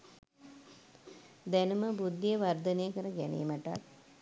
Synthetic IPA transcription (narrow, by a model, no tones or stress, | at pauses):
d̪ænuməbud̪ːijəʋard̪ənejəkəɾəɡænḛːmaʈa̰t